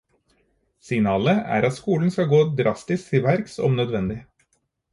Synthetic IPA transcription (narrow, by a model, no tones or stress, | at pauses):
sɪŋnɑːləæ̰ːɾɑt̪skuːln̩skɑɡoːd̪ɾɑst̪ɪskt̪ʰɪʋæɾksɔ̰mnœd̪ʋɛnd̪ɪ